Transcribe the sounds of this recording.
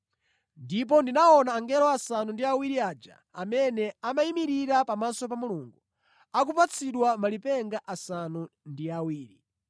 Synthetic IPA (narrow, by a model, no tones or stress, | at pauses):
ndip̬ɔndinaɔnaːŋɡɛlɔasanundiawiɾiaːd͡ʒa̰ | a̰mɛnɛamaimiɾiɾapamasɔp̬amuluŋɡu | ak̬upat͡sʰiɗwamalipɛŋɡaʔasanundiawiːɾi